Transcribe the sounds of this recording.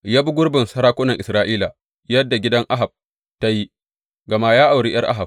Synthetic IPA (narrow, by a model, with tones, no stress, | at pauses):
jaː˦bu˦ɡʷʊ˦ɽbɪ˨nsɐ˦ɾaː˦kʷʊ˦nɐ˨ŋʔɪ˨sɾaː˦ʔiː˦la˨ | jɐ˦dːa˨ɡʲɪ˦dɐ˦ŋʔa˦ɦa˨b̚ | ta˦ji˦ | ɡɐ˨ma˦jaː˦ʔa˨wɾiː˦j̰ɐ˦rʔa̰˦ɦa˨b̚